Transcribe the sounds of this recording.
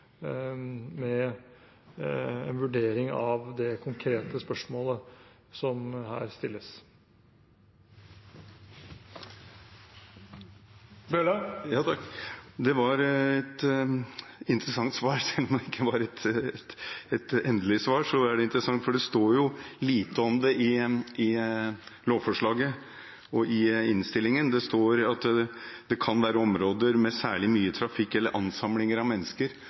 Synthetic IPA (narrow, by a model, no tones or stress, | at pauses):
mɛ | ɛnʋʉɖeːɾɪŋɑʋd̪ɛkʰʊŋkʰɾeːt̪əspœʂmoːlə | sɔmɦæ̰ːɾst̪ɪlːəs | bølɑjɑːt̪ʰɑkd̪ɛʋɑɾɛt̪ | ɪnt̪ɾəsɑŋt̪sʋɑːɾsɛlːɔmd̪ɛɪkʰːəʋɑɾɛt̪ | ɛt̪ɛnd̪əlɪsʋɑːʂɔæɖɛɪnt̪ɾəsɑŋt̪fɔɖɛst̪oːɾjʊliːt̪əɔmd̪ɛʔɪɪ | loːʋfɔʂɭɑːɡə | ɔʔɪɪnst̪ɪlːɪŋənd̪ɛst̪oːɾɑt̪ːd̪̥ɛkʰɑnʋæːɾəɔmɾoːd̪əɾmɛsæːɭɪmyːət̪ʰɾɑfɪkːɛlːəɾʔɑnsɑmlɪŋəɾɑʋmɛnːəskəɾ